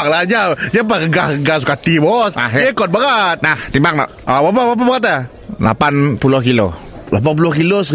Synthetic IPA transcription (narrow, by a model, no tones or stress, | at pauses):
aklad͡ʒad͡ʒapakəɡahkəɡas̬u̥kat̪ibɔsaekɔt̪̚baŋat̪̚naht̪imbaŋ̚tɔ̰ʔabap̬abap̬abaŋat̪̬a | la̰panpulʊhkilo | lap̬anp̬ulʊhkilos